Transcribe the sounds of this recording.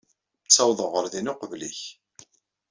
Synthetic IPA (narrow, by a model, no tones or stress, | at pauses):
t͡sːɑwðˤəʁəɾðinʊqəvlḭç